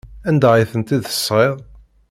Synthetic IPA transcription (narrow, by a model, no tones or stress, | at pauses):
ænd̪æʁiθənt̪iðə̥sˤːʁeʁ